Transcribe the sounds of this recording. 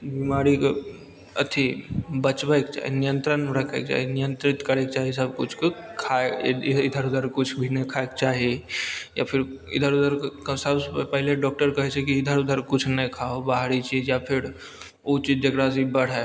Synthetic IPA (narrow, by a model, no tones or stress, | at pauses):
bimaɾik | ə̰t̪ʰibət͡ʃʋaek̚t͡ʃa̰ɦḛnijənt̪ɾənmɾəkʰḛk̚t͡ʃa̰ːɦenijənt̪ɾɪt̪kəɽek̚t͡ʃaːɦes̬əb̚kʊt͡ʃʰkkʰaid̪ʱəɾud̪ʱəɾkʊt͡ʃʰbʱinəkʰaek̚t͡ʃaːɦeja̰pʰɪɾɪ̰d̪ʱəɾud̪ʱəɾksəbpəɦɪleɖɔːk̚ʈəɾkəɦɛt͡ʃʰekiːd̪ʱəɾud̪ʱəɾkʊt͡ʃʰnəjkʰaobaɦɽit͡ʃijapʰɪɾ | ot͡ʃid͡ʒd͡ʒekɽas̬ibəɽ̤a